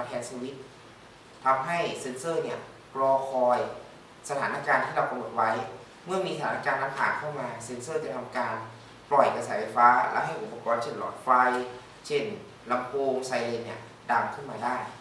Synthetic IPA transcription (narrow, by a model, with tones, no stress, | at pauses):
a˧p̪ʰɛː˧nsʰiː˧wi˦˥t̪̚ | t̪ʰa˧mɦa˥˩jse˧˥nsɤː˥˩ni˥˩ɐ | klɔː˧kʰɔː˧j | sa˧t̪ʰaː˩˦naː˦˥˩kaː˧nt̪ʰiː˥˩ɾa˧wpa˧mːno˨˩t̪̚wa˦˥j | mɯ˥˩ɐmiː˧sa˧t̪ʰaː˩˦naː˧kaː˧nla˦˥mpʰaː˨˩t̪̚kʰːa˥˩wmaː˧se˧˥nsɤː˥˩t͡ɕa˨˩t̪ʰa˧mkaː˧n | plɔ˨˩jka˧sɛː˩˦fa˧jfaː˦˥lɛ̰˦˥ʔɦa˥˩jʔu˨˩pːa˧kɔː˧nt͡ɕʰe˥˩nlɔ̰˨˩t̪̚fa˧j | t͡ɕʰe˥˩n | la˧mpʰoː˧msa˧jle˧nni˥˩ɐ | da˧mkʰɯ˥˩nmaː˧daː˥˩j